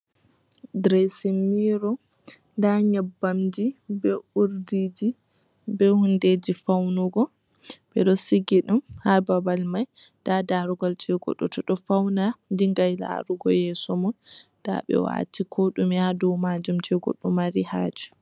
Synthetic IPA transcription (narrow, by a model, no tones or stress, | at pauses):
dɾɛsimiɾɔ | ndaɲɛbːamd͡ʒibɛuɾdid͡ʒi | bɛhunded͡ʒifawnuɡɔ | bɛɗɔsiɡiɗumhababalmaj | d̥adaɾuɡɔlt͡ʃɛɡɔ̰ɗɔ̰tɔɗɔfawnandiŋɡajla̰ɾuɡɔ̰jɛsɔmund̥a̰ɓɛ̰wa̰tikʰoɗumihadɔwmad͡ʒumt͡ʃɛɡɔ̰ɗɔmaɾihad͡ʒi̥